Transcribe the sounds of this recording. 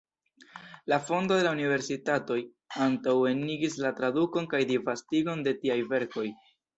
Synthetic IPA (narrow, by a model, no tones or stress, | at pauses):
lafo̞ndo̞de̞launive̞ɾsitato̞j | antawe̞nːiɡislatɾaduko̞nkajdivastiɡo̞nde̞tiajve̞ɾko̞j